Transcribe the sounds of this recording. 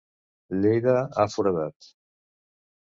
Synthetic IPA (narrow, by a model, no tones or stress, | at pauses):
lejðaafuɾaðat̪